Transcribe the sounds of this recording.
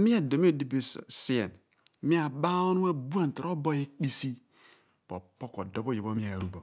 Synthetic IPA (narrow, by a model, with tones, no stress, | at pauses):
mi˦a˨do˨mi˦e˦˨di˦bi˨ssi˦ḛ˨n | mi˦a˨ba˦o˦nu˦a˦bu˦a˦˨n̩˨to˨ɾo˦bo˦je˦k͡pi˦si˦ | po˨po˦ko˨do˨˦bo˦˨ji˨bo˦mi˦a˨ɾu˦bo˨